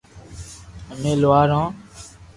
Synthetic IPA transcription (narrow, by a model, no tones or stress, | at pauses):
əmẽːlʊaːɾãː